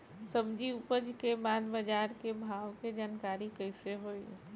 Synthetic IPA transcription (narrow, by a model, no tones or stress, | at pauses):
sɐbd͡ʒiʊpəd͡ʒkebaːd̪bəd͡ʒaːɾkebʱaːwked͡ʒaːnkaːɾikəɪseɦoːi